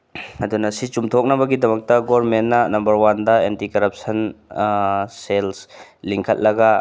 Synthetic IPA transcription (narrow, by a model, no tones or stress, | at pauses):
ɐdunɐsit͡ʃumtʰok̚nɐbɐɡidɐmɐk̚tɐɡoɾmenːɐnɐmbɐɾwandɐentikɐɾɐp̚sɐn | selsliŋkʰɐt̚lɐɡa